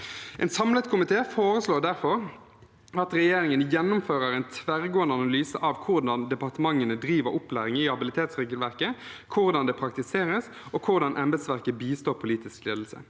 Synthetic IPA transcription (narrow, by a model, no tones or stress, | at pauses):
ʔɛ̰nsɑmlət̪kʰʊmɪt̪ʰeːfoːɾəsloːʁd̪æʁfɔʁ | ɑt̪ʁɛjeːɾɪŋənjɛnːʊmføːɾəɾæɪnt̪ʰʋæʁɡoːənd̪əɑnɑlyːsə̰ʔɑʋkʰʊʁd̪ɑnd̪ɛpɑʁt̪əmɑŋːənəd̪ɾiːʋəɾʔʊplæːɾɪŋiːhɑbɪlɪt̪ʰeːt̪sʁeːɡəlʋæʁkəkʰʊʁd̪ɑnd̪ɛpʰɾɑkt̪ɪseːɾəs | ɔkʰʊʁd̪ɑnʔɛmbəd̪sʋæʁkəbiːst̪oːɾpʰʊliːt̪ɪskleːd̪l̩sə̰